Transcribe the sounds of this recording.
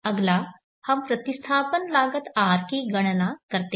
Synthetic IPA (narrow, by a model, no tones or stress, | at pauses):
əɡla | həmpɾət̪ist̪ʰaːpənlaːɡət̪aɾkiːɡəɽ̃nakəɾt̪e